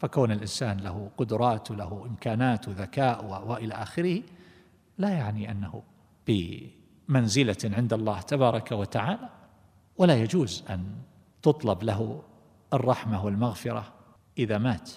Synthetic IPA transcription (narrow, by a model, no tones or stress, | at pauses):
fakoːnɪlʔɪnsaːnlaɦuqʊd̪ʊɾˤɑːt̪wlahuʔɪmkaːnaːt̪wɪðakaːʔwawaʔɪlaʔaːxɪɾɪhi | lajaʕniʔanːahṵ | b̥ɪ | manzɪlaʕɪnd̪ɑlˤːɑːht̪abɑːɾˤɑkawat̪aʕaːla | walajad͡ʒuːzʔa̰n | t̪ʊt̪ˤlɑblaɦ | ʔɑrˤːɑħmawɪlmaɣfɪɾˤɑ̰ | ʔɪðamaːt̪